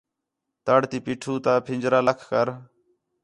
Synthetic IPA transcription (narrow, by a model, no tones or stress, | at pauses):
t̪əɽt̪iːpiːʈʰuːt̪aːpʰɪnd͡ʒɾaːləkʰkəɾ